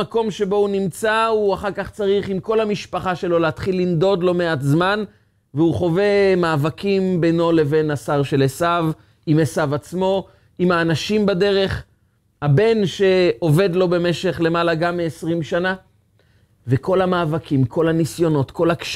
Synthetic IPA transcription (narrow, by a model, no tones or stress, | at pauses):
ako̞mʃe̞bo̞unimt͡sauaχaʁkaχt͡saʁiχimko̞lhamiʃpaχaʃe̞lo̞leat̪χilːind̪o̞d̪lo̞meat̪zman | veuχo̞ve̞maːvakimbeno̞le̞ve̞nasaʁʃe̞lesav | imesavat͡smo̞ | imaːnaʃimbade̞ʁe̞χ | habe̞nʃe̞o̞ve̞d̪lo̞be̞me̞ʃe̞χle̞malaɡamːiesʁimʃana | veko̞lhamaːvakʰimkʰo̞lhanisjo̞no̞t̪ko̞lakʃ